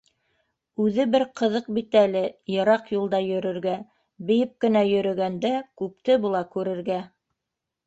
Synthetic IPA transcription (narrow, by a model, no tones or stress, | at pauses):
ʉðɘbɘɾqɤ̆ðɤq̚bit̪ælɘjɤ̆ɾɑqjulˠd̪ɑjɵ̆ɾɘ̆ɾɡæ | bɘ̆jɘp̚kɘ̆næjɵ̆ɾɵ̆ɡænd̪ækʉp̚t̪ɘbulˠɑkʉɾɘ̆ɾɡæ